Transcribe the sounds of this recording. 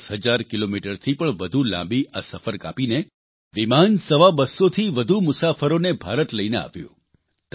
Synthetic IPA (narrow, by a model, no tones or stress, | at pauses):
sɦəd͡ʒaɾkilomiʈəɾt̪ʰipəɳʋəd̪ʱulã̰mbiʔasəfəɾka̰pine | ʋimansəʋabəsːot̪ʰiʋəd̪ʱumʊsafəɾonebʱaɾət̪ləinea̰ʋjṵ̃ | t̪